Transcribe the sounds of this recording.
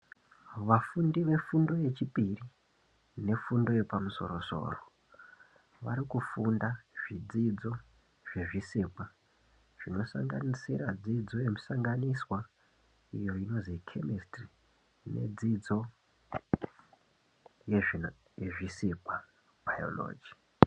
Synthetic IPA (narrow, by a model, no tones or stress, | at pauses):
ʋafundiʋe̞fundo̞je̞t͡ʃipiri | ne̞fundo̞je̞pamuso̞̰ɾo̞so̞̰ːro | ʋa̰ɾikufundaʐ̥id͡zid͡zo̞ | ʐ̥e̞ʐisipwa | ʐ̥ino̞sa̰ŋɡa̰nisiɾad͡zid͡zo̞jemusaŋɡaniswa | ijo̞ino̞zikʰe̞mistri | ne̞̰d͡zid͡zo̞ | j | jeʐisipwa | bʱajo̞̰lo̞̰ːd͡ʒi